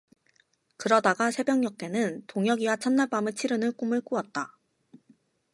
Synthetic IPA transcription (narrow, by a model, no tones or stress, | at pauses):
kɯɾʌdaɡasʰe̞bjʌŋːɲʌk̚t͈e̞nɯntoŋjʌɡiwat͡ɕʰʌnːaɭp͈amɯt͡ɕʰiɾɯnɯɭk͈umɯɭk͈uʌt̚t͈a